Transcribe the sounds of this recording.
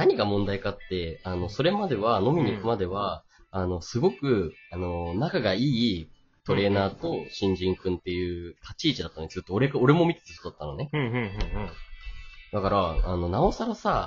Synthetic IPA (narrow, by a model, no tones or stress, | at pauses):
naɲ̟iɡamõnd̪aikat̪ːe̞ano̞so̞ɾe̞mad̪e̞βano̞mʲimʲikɯ̟mad̪e̞βa | ano̞sɨɡo̞kɯ̟ano̞nakaɡaiː | t̪o̞ɾe̞ːnaːt̪o̞ɕĩɲ̟d͡ʑĩŋkɯ̟̃nt̪e̞jɯ̟ːt̪ʰat͡ɕiːt͡ɕid̪at̪ːnesɨt̪ːoːɾe̞kao̞ɾe̞mo̞mʲit̪e̥t̪aço̥t̪od̪ḁt̪ːanone̞ | d̪̥akaɾaano̞nao̞saɾasa